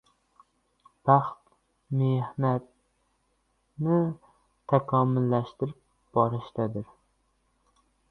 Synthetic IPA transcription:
b̥aχt̪ | mehnat̪̚ | nɪ | t̪ʰakʰɒmɪlːaʃt̪ɪɾɪp̚ | b̥ɒɾɪʃt̪ad̪ɪɾ

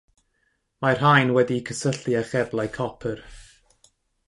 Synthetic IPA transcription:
marɦajnwɛdikʰəsəɬɨaχɛblˠajkʰɔpʰər

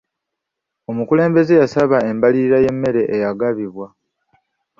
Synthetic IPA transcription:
o̞mukule̞ːmbe̞ze̞jasaβae̞mbaliɾiɾaje̞mːe̞ɾe̞ʔejaɡaβiβwa

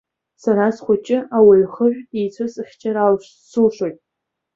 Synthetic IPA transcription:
saɾasχʷʊt͡ʃʼɪʔawaɥχəʒʷᶣijt͡sʷʰɨsɨχʲt͡ʃʰʼaɾalʃ | sɨlʂʷojtʼ

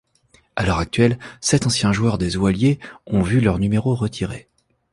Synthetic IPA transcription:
alœʁak̚t̪ɥɛlsɛt̪ɑ̃sjɛ̃ʒwœʁd̪ezwaljeɔ̃vylœʁnymeʁoʁət̪ʰiʁe

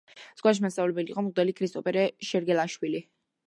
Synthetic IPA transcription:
z̥ɡ̥waʃ̬mast̪avlɛbɛliːqʼɔmʁd̪ɛlikʰɾist̪ʼɔpʼɛɾɛʃɛɾɡɛlˠaʃwili

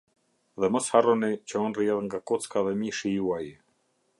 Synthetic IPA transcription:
ðɛmɔsharɔnit͡ɕəɔnriɛðŋɡakɔt͡skaðɛmiʃijuai

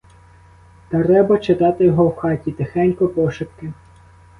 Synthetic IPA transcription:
t̪ɐɾɛbɐt͡ʃɪt̪ɑt̪ɪjɔɦɔwxɑtʲit̪ɐxɛnʲkɔpɔʃɪp̚kɪ

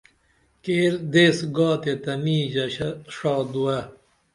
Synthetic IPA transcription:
keːld̪eːsɡɔːt̪et̪ɐmiːd͡ʑɐɕʂɔːd̪uɐ

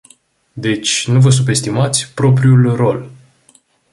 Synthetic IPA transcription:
d̪e̞t͡ʃʲnuvəs̬unp̪e̞st̪imat̪sʲpɾo̞p̬ɾiulro̞l

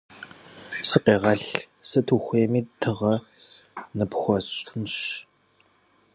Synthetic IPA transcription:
sɨqeːʁɐɬ | sɐtʰuːxʷeːmiːtʰɨʁɐ | nɨpxʷɔɕʼʰnɕ

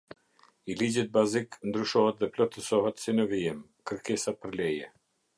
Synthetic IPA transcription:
ilid͡ʑit̪̚baziknd̪ɾyʃɔɦɛt̪ðɛplɔt̪əsɔɦɛt̪sinəviim | kəɾkɛsapəɾlɛjɛ

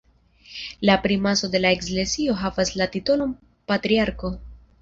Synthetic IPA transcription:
lapɾimaso̞de̞laeksle̞sio̞ɦavaslatito̞lo̞m | patɾiaɾko̞

